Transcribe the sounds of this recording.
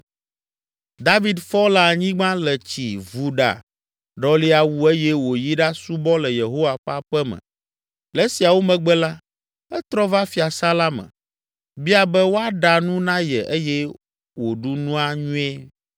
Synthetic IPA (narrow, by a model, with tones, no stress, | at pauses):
d̪a˦vi˨d̪fɔ˦la˨ɲĩ˦ɡ͡bã˦lɛ˨t͡ɕi˨vu˨ɖa̰˨ | ɖɔ˦li˦a˨wu˦e˦jɛ˦wo˨ji˦ɖa˦su˦bɔ˦lɛ˨je˨ɦo˦wa˨ɸa˦ɸɛ˦mɛ̰̃˨ | lɛ˦si˨a˨wo˦mɛ̃˨ɡ͡bɛ˦la˦ | ɛ˦t̪ɾɔ˦va˦fi˨a˨sa˦la˦mɛ̰̃˨ | bi˦a˨bɛ˦wo˦a˦ɖa˨nũ˦nã˦jɛ˨ʔe˦jɛ˦ | wo˨ɖu˦nũ˦a˦ɲũ˦ɛ˦